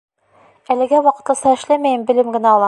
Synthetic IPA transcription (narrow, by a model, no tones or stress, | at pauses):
ælɘ̆ɡæwɒqɤ̆t̪lˠɤ̆sɑɘ̆ʃlæmæjɘmbɘ̆lɘmɡɘ̆næɒlˠɑ